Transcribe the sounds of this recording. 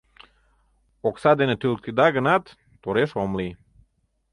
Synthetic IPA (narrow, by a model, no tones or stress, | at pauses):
oksad̪enət̪ylk̚t̪id̪aɡənat̪ː | oɾeʃomli